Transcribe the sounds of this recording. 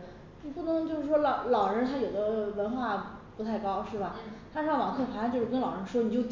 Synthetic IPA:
t͡ɕpu˥˩nɤ˧˥ŋt͡ɕjʊʂɻ̩˥˩ʂwɔ˥lɑ˨˧˩ʊlɑ˨˩ʊɻə˧˥nt̪ʰa˥jo˨˩ʊd̪ə˦wə˧˥nxwa˥˩pu˧˥t̪ʰa˥˩ɪkɑ˥ʊʂɻ̩˥˩bɐ˩t̪ʰa˥ʂwɑ˨˩ŋkʰe˥˩ɪxʰwa˥t͡ɕjo˥˧ʂɻkə˥nlɑ˨˩ə˧˥nʂwɔ˥ni˨˩t͡ɕo˥˩ʊt͡ɕ

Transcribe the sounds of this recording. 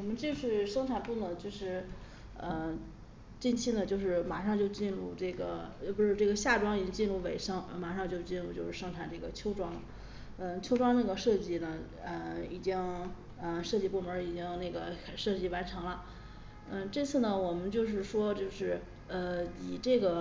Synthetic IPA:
wɔ˨˩mə˦nt͡ɕi˥˧ɕy˥˩ʂɤ˥ŋʈ͡ʂʰa˨˩npu˥˩nə˧˩t͡ɕjo˥˧ʊʂɻ̩˥˩ | ə˧ | t͡ɕi˥˩nt͡ɕʰi˥nə˨t͡ɕjo˥˧ʊʂɻ̩˥˩ma̰˨˩ʂɑ˥˧ŋt͡ɕjo˥˧ʊt͡ɕi˥˧nɻu˥˧ʈ͡ʂɤ˥˩ɡə˩˥˧pu˧˥ʂɻ̩˥˧ʈ͡ʂɤ˥˩ɡə˩ɕja˥˩ʈ͡ʂwɑ˥ŋi˨˩t͡ɕi˥ŋt͡ɕi˥˧nɻu˥˩we˨˩ɪʂɤ˥ŋ˧ma˨˩ʂɑ˥˧ŋt͡ɕjʊt͡ɕi˥˧nɻu˥˧t͡ɕjo˥˧ʊʂɻ̩˥˩ʂɤ˥ŋʈ͡ʂʰa˨˩nʈ͡ʂɤ˥˩ɡə˩t͡ɕʰjo˥ʊʈ͡ʂwɑ˥ŋ | ə˥˧t͡ɕʰo˥ʊʈ͡ʂwɑ˥ŋna˥˩ɡə˩ʂɤ˥˧t͡ɕi˥˩nə˩ | ə˧i˨˩t͡ɕi˥ŋ | ə˧ʂɤ˥˧t͡ɕi˥˧˩pu˥˩mə˞˧˥i˨˩t͡ɕi˥ŋna˥˩ɡə˩ʂɤ˥˧t͡ɕi˥˩wa˧˥nʈ͡ʂʰɤ˧˥ŋlə˧ | ə˥˧ʈ͡ʂɤ˥˧t͡sʰɹ̩˥˩nə˩wɔ˨˩mə˦nt͡ɕjo˥˧ʊʂ̬ɻ̩˥˩ʂwɔ˥t͡ɕjo˥˧ʊʂɻ̩˥˩ | ə˧i˨˩ʈ͡ʂɤ˥˩ɡə˩

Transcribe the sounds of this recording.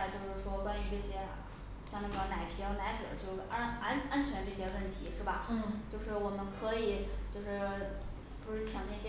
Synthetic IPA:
t͡ɕjo˥˧ʊʂɻ̩˥˩ʂwɔ˥kwa˥ny˧˥ʈ͡ʂɤ˥˩ɕjɛ˥ | ɕjɑ˥˧ŋna˥˩ɡə˩na˨˩ɪpʰi˧˥jɑ˥˩ʊna˧˥ɪʈ͡ʂɤ̰˨˩˦t͡ɕjo˥˧ʊ˥˩ʔa˥na˥nt͡ɕʰɥɛ˧˥nʈ͡ʂɤ˥˩ɕjɛ˥wə˥˩nt̪ʰi˧˥ʂɻ̩˥˩bɐ̰˩t͡ɕjo˥˧ʊʂɻ̩˥˩wɔ˨˩mə˦nkʰɤ˧˥i˨˩˦t͡ɕjo˥˧ʊʂɻ̩˥˩ | pu˧˥ʂɻ̩˥˩t͡ɕʰɑ˨˩ŋn˥˧˩ɕɛ˥

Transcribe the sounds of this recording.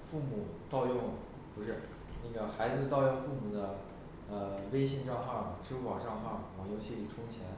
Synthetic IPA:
fu˥˩mu˨˩t̪ɑ˥˧ʊjʊ˥˩ŋ | pu˧˥ʂɻ̩˥˩ | na˥˩ɡə˩xa˧˥ɪd͡zɹ̩˧t̪ɑ˥˧ʊjʊ˥˧ŋfu˥˩mu˨˩d̪ə˦ | ə˧we˥ɪɕi˥˧ŋʈ͡ʂɑ˥˧ŋxɑ˥˩ŋʈ͡ʂɻ̩˥kwɑ˨˩ʈ͡ʂɑ˥˧ŋxɑ˥˩ŋwɑ˨˩ŋjo˧˥ʊt͡ɕʰi˥˩li˨˩ʈ͡ʂʰʊ˥ŋt͡ɕʰjɛ˧˥n

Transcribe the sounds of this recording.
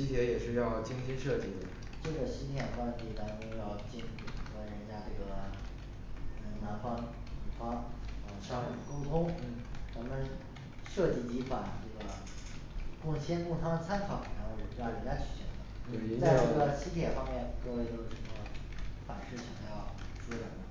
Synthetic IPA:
ɕi˥t̪ʰjɛ˧˥jɛ˨˩ʂɻ̩˥˧jɑ˥˩ʊt͡ɕi˥ŋɕi˥nʂɤ˥˧t͡ɕi˥˩d̪ə̰˩ | ʈ͡ʂɤ˥˩ɡə˩ɕi˥t̪ʰjɛ˨˩nkwa˥nt̪i˥˩t̪ɑ˥n˧o˥˧jɑ˥˧ʊt͡ɕi˥˩ni˨˩˨ɡə˧˩ɻə˧˥nt͡ɕja˥ʈ͡ʂɤ˥˩ɡə˩˧˩ | na˧˥nfɑ˥ŋ | u˨˩fɑ˥ŋə˧˩ʂɑ˥ŋu˨˩ko˥t̪ʰʊ˥ŋ˥˩t̪ʰa˥mə˧n | ʂɤ˥˧t͡ɕi˥˩t͡ɕi˧˥fa̰˨˩nʈ͡ʂɤ˥˩ɡə˩ | kʊ˥˩ŋɕjɛ˥nku˥˩ŋt̪ʰa˥mə˨nt͡sʰa˥nkʰɑ˧˥˦ŋ˩na˧˥xo˥˩ə˨˩˥jɻə˧˥t͡ɕja˥t͡ɕʰy˨˩ɕḭ˧˥ŋd̪ə˧˩˧t͡sa˥˧ɪ˧ɤ˥˩ɡə˩ɕi˥t̪ʰjɛ˨˩fɑ˥ŋmjɛ˥˩nkɤ˥˧we˥˩ɪt̪o˥ʊʈ͡ʂə˨˩ɡə˧˥ | fa̰˨˩nʂɻ̩˥˩ɕjɑ̰˨˩ŋjɑ˥˩ʊ | ʂu˥lə˧˩nd̪ə˧˩

